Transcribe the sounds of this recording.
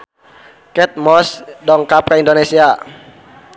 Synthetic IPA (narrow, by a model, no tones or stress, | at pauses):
kɛt̪̚mɔsdɔŋkap̚kaindonesia